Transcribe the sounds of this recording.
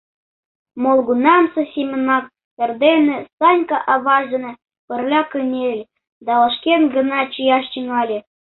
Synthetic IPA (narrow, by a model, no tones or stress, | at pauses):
molˠɡunɑmsɤ̆sʲimʲə̆nɑk̚ | pʲĕrd̪enĕsɑnʲkɑʔɑβɑʒd̪ɤ̆nĕ | pərlʲɑkɯnʲelʲ | d̪ɑlɤʃkʲenɡə̆nɑt͡ɕijɑʃt͡ɕinɑlʲĕ